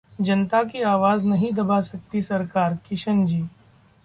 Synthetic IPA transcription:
d͡ʒɐnt̪akiaːʋaːznɐɦĩd̪ɐbasɐk̚t̪isɐɾkaːɾkɪʃənd͡ʒiː

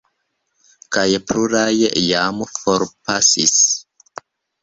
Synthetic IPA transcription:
kajpluɾajjamfoɾpasis

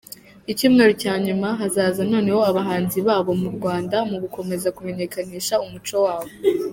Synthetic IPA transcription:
icimŋe̞ɾocaːɲumaɦazaːzano̞ːne̞ho̞aβaɦaːnziβaːβo̞muɾɡwaːndamuɡuko̞me̞zakume̞ɲe̞kaniːʃaumut͡ʃo̞waːβo̞

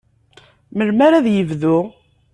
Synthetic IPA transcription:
məlmaɾæðjəvðu

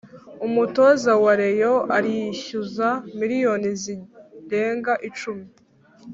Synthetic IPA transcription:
umuto̞zawaɾe̞joʔaɾijiçuzamiɾijo̞niziɾe̞ːŋɡaʔit͡ʃumi

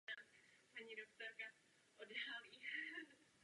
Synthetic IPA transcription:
aspaɲiːdokt̪oɾka | ʔodaliː

